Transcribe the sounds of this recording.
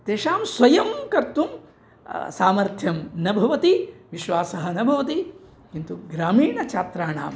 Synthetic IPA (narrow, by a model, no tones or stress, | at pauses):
t̪eːʂaːmsʋɐjɐmkɐɾt̪um | saːmɐɾt̪ʰjɐmnɐbʱɐʋɐt̪iʋiʃʋaːsɐɦɐ̆nɐbʱɐʋɐt̪i | kint̪uɡɾaːmiːɳɐt͡ʃaːt̪ɾaːɳa̰ːm